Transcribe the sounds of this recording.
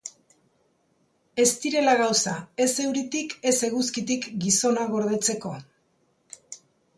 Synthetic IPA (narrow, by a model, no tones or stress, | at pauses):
e̞st̪iɾe̞laɣ̞awsae̞se̞wɾit̪ike̞se̞ɣuskit̪ikɡiso̞naɣo̞ɾðe̞t͡se̞ko̞̰